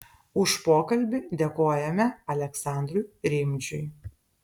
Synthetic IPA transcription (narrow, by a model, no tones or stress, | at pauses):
ʊʃpoːkɐlʲbʲɪd̪ʲeːkoːjɛmʲɛɐlʲɛksɑˑnʲd̪ɾʊjɾʲɪmʲt͡ʃʲʊɪ